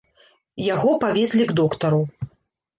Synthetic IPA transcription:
jaɣɔpavʲɛsʲlʲiɡd̪ɔkt̪ɐɾu

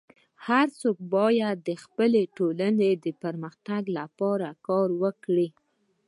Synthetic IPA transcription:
haɾsok̚bɑjad̪ːəxpəleʈolaned̪əpəɾməxt̪aɡlapɑɾakɑɾwəkɽi

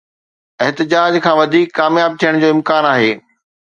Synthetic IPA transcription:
ɛɦt̪ɪd͡ʑaːd͡ʑkʰãːʋɐd̪ʱiːkːaːmjaːb̚t̪ʰijəɽ̃d͡ʑoːɪ̃mkaːnaːɦeː

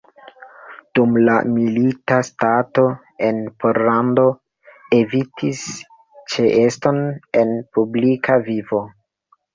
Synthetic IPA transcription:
d̥umla̰militastato̞ | e̞npʰoɾlando̞ | e̞vitʰis | t͡ʃeʔesto̞ne̞npublikavivo̞

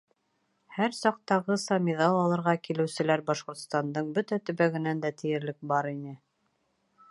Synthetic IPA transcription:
hæɾsɑq̚t̪ɑʁɤsɑmʲiðɑlˠɑlˠɤ̆ɾʁɑkilɘ̆wsɘ̆læɾbɑʃqŏɾt̪st̪ɑnd̪ɤɴbɵt̪æt̪ɵ̆βæɡɘ̆nænd̪æt̪ɘ̆jɘ̆ɾlɘk̚bɑɾinɘ

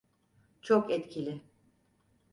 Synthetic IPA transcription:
t͡ʃʰokɛt̪cʰilʲɪ

